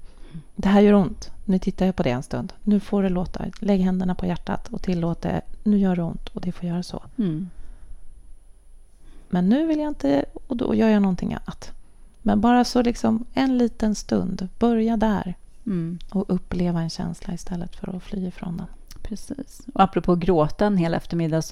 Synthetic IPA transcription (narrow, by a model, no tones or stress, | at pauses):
d̪ɛɦæːɾjœːɾʊnt̪nʉ̟t̪ʰɪt̪ːajapʰɔd̪ɛɛnst̪ɵnd̪nʉ̟ːfoɖɛloːt̪ʰa̰lɛɡɦɛnd̪əɳapʰɔjæʈːa̰t̪ʰɔt̪ʰɪlːoːt̪̚d̪ɛ̰nʉ̟ːjœːɖɛʊnt̪ʰɔd̪ɛfoːɾjœːɾasɔ̰ | mɛnːʉ̟ːvɪljaɪnt̪əɔd̪ɔ̰jœːɾjanɔnt̪ʰɪŋʔa̰nːat̪ | mɛnbɑːɾasɔlɪksɔmɛnliːt̪ənst̪ɵ̰nd̪b̥œɾjad̪æɾ | ɔʔɵpːleːvaɛnɕɛ̰nsla̰ɪst̪ʰɛlːət̪fœ̰ɾɔflyːɪfɾɔ̰nd̪ɛnpʰɾɛsiːsɔapɾɔpʰoːɡɾoːt̪aɛnɦeːlɛ̰ft̪əɾmɪd̪ːas